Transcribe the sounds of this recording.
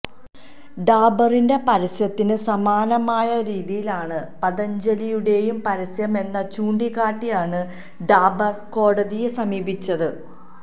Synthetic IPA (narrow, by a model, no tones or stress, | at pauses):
ɖaːbɐrinde̞pɐɾisjɐt̪ːinɨsɐmaːnɐmaːjɐɾiːðijilaːɳɨpɐðɐɲd͡ʑɐlijuɽe̞ːjumpɐɾɐsjɐme̞nːɐt͡ɕuːɳɖiɣaːʈːijaːɳɨ | ɖaːbɐrko̞ːɽɐðijesɐmiːbit͡ɕːɐðɨ